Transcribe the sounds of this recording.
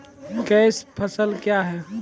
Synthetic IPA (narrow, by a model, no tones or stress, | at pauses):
kɛɪspʰəsəlkjaɦɛ